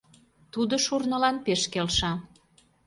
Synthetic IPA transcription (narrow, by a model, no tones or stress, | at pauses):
t̪ud̪oʃurnə̆lɑnpeʃkelʃɑ